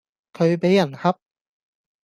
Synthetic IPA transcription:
kʰɵ˨˧ɥpe˨˥jɐ˨˩nhɐ˥p̚

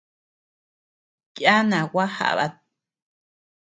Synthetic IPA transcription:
kja˦nã˨wa˦ha̰˨ʔβa̰˦t̪̚

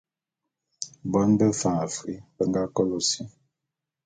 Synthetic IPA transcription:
bɔ˦nbə˦fã˨fi˨˦bə˨ŋɡa˦kɔ˦lo˨si˦

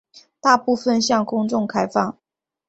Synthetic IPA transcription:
t̪a˥˧pu˥˧fə˥˨nɕjɑ˥˩ŋkʊ˥ŋʈ͡ʂʊ˥˩ŋkʰa˥ɪfɑ˥˩ŋ

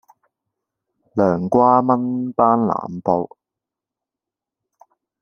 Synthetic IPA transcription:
lœː˨˩ŋkʷaː˥mɐ˥npaː˥nla̰ː˨mpo˧w

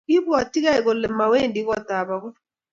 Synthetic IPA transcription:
i˦bu˦a˨ti˦ɣa˦i˨kɔ˨lɛ˨ma˨we˦˨ndi˦kɔ˦t̪a˨βa˨ku˦

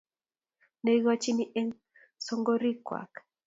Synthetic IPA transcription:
ne˨ɣɔ˦t͡ʃi˦ni˦ʔɛ˦ŋ | sɔ˦ŋɡo˦ɾi˦kwa̰˨k

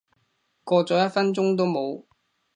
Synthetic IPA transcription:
kɔː˧t͡sɔː˨˥jɐ˥t̚fɐ˥nt͡sʊ˥ŋt̪o˥wmo˨˧w

